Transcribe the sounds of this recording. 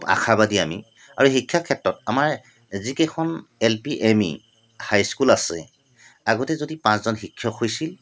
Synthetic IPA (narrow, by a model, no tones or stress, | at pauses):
ba̰xʰabadiami | a̰ɹuxikʰːjakʰɛtɹɔtamaɹ | zikɛkʰɔnelpiʔemḭ | hajskulasɛ̰ | aɡɔtɛzodipãszɔnxikʰːjɔkʰːojsil